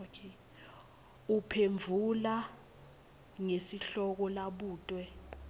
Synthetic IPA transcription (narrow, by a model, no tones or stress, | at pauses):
kʰe | upʰeɱvʱula | ŋesiɬɔk̬ɔlaɓuːtʼwɛ